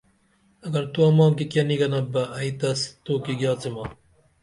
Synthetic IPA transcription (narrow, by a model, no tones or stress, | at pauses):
ɐɡɐɾt̪uɐmɑ̃ːkikjɐniɡɐnɐbɐɐit̪ɐst̪oːkiɡjɑːt͡simaː